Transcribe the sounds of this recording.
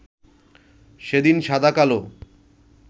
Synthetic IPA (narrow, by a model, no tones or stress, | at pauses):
ʃed̪inʃad̪akalo